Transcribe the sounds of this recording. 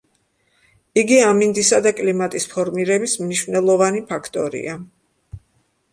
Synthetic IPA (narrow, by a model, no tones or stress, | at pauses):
iɡiamind̪isad̪akʼlimat̪ʼispʰɔɾmiɾɛbismniʃvnɛlˠɔvanipʰakʰt̪ʼɔɾḭa